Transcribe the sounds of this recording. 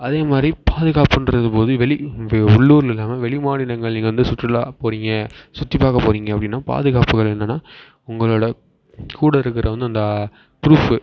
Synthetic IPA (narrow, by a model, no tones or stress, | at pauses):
ɐðeːmaːd̪ɾipaːðɯɣaːpɯnɾɐðɯpoːðɯʋɛɭɪʊɭːuːɾɪlɛlːaːmɐʋɛɭɪmaːɽɪlɐŋɡɐɭniːɡɐʋɐnd̪ɯsʊt̪ːrɪlaːpoːɾiːŋɡɐsʊt̪ːipːaːɣɐpoːɾiːŋɡɐɐpːɐɽɪnːaːpa̰ːðɯɣaːpɯɣɐɭɛnːɐnːaː | ʊŋɡɐɭoːɽɐ | kuːɽɐɪɾɯk̬ːɪɾʔɐʋɐnd̪ɯɐnd̪ɐ | pɾuːf